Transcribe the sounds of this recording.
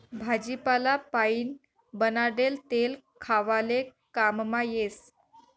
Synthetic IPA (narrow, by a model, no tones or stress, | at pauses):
bʱad͡ʑipalapaiːn | bənaɽelt̪elkʰaʋalekammajes